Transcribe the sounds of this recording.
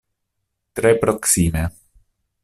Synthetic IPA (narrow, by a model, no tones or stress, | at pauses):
t̪ɾepɾoksiːme